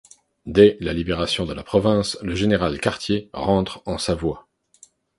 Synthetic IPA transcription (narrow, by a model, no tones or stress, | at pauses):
d̪ɛlalibeʁasjɔ̃d̪əlapχɔvɛ̃sləʒeneʁalkaʁt̪jeʁɑ̃t̪χɑ̃savwa